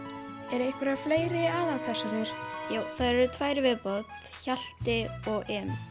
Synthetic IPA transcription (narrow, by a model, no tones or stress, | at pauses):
ɛɾejhkvɛɾafleːjɾɪaːðawpʰɛ̥sɔnɪɾ̥joːwθaðɾɛɾʏt̪ʰv̥aːjɾɪvɪðpɔt̪ | çal̥t̪ɪɔɣɛːn